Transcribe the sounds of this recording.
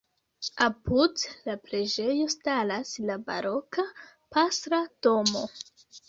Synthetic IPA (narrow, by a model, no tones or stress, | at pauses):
apudlapɾe̞d͡ʒe̞jo̞stalaslaba̰ɾo̞ka | pasɾad̥o̞mo̞